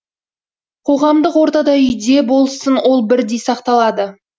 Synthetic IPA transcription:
qʰo̞ʁɑmd̪əqwo̞ɾt̪ɑd̪ɑʏjd̪e̞bo̞lˠsənwo̞lˠbɪɾd̪e̞jsɑqt̪ɑlˠɑd̪ə

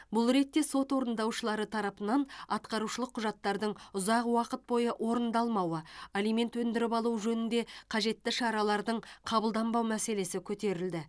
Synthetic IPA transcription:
bʊlˠɾe̞t̪ːe̞so̞t̪wo̞ɾənd̪ɑwʃəlˠɑɾət̪ʰɑɾɑpənɑnɑt̪qɑɾuʃəlˠəqʰːʊʒɑt̪ːɑɾd̪əɴʊzɑqwɑqət̪̚bo̞jəʔwʔo̞ɾənd̪ɑlˠmɑwəalijme̞nt̪wɵnd̪ɪɾɪpɑlˠuʒɵnɪnd̪e̞qʰɑʒe̞t̪ːɪʃɑɾɑlˠɑɾd̪əɴqʰɑbəlˠd̪ɑmbɑwmæse̞le̞sɪkʲʰɵt̪e̞ɾɪld̪ɪ

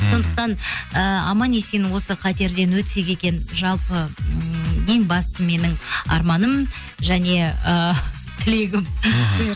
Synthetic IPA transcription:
so̞nd̪əq̚t̪ɑnəɑ̰mɑne̞senɪwo̞səqʰɑt̪e̞ɾd̪e̞nwɵt̪se̞kʲe̞kʲe̞nʒɑlˠpə | je̞ŋbɑst̪əme̞nɪŋɑ̰ɾmɑnəm | ʒæne̞ə | t̪ʰɪle̞ɡʲɪm

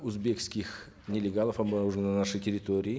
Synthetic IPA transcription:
uzbʲekskʲix | nʲelʲeɡalˠəfabauʐɨnanaʂɨjt̪ʲʰeɾʲit̪o̞ɾʲii

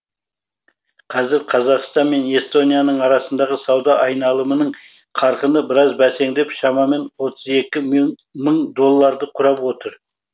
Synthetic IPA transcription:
qʰɑzɪɾqʰɑzɑqst̪ɑnme̞ne̞st̪o̞nijanəɴɑɾɑsənd̪ɑʁəsɑwd̪ɑʔɑjnɑlˠəmənəɴ | qʰɑɾqənəbɪɾɑzbæse̞ŋd̪e̞pʃɑmɑme̞nwo̞t̪ʰəze̞kʲɪməɴd̪o̞lˠːɑɾd̪əqʰʊɾɑpwo̞t̪əɾ

